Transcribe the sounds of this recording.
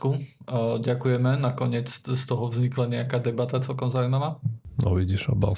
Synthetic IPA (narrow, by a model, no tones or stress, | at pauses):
kuɟakujɛmɛnakɔɲɪɛt͡sst̪ɔɦɔvzɲiklaɲɛakaːd̪ɛbat̪at͡sɛlkɔmzaujmaʋaːnʔɔ̰ʋiɟiʃa̰ba̰l